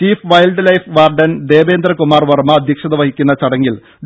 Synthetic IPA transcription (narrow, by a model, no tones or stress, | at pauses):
tiːfʋɐjlɖlɐjfʋaːrɖɐnd̪e̞ːʋe̞ːnd̪ɾɐkumaːrʋɐrmɐːd̪ʱjɐkʂɐðɐʋɐɦikʲːunːɐt͡ɕɐɽɐŋːil